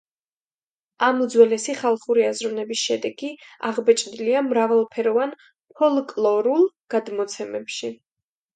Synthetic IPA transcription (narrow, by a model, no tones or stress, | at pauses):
amud̪zwɛlɛsiχalˠχuɾiazɾunɛbisʃɛd̪ɛɡia̰ʁbɛt͡ʃʼd̪liamɾavalˠpʰɛɾɔvan | pʰɔlˠkʼlˠɔɾulˠɡ̥ad̪mɔt̪sʰɛmɛpʃi